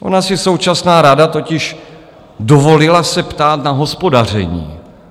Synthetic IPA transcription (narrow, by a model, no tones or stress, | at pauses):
ʔo̞̰nasɪso̞wt͡ʃasnaːɾadat̪o̞cɪʃ | dovo̞lɪlasɛpt̪aːt̪naɦo̞spo̞dar̝ɛ̰ɲḭː